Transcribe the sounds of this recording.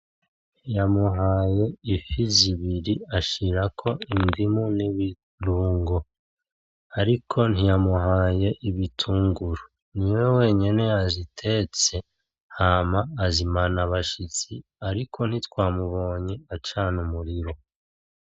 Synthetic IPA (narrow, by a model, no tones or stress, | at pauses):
nijamuɦaːje̞ifiziβiɾiaʃiɾakʰo̞indimuniβi | ɾuːŋɡo | aɾikʰo̞n̥ijamuɦaje̞ʔiβitʰuːŋɡuɾo | niwe̞we̞ːɲene̞azitʰe̞t͡se̞ | haːmaːzimanaβaʃit͡siaɾikʰo̞n̥hitwaːmuβo̞ːɲeat͡ʃaːnumuɾiɾo̞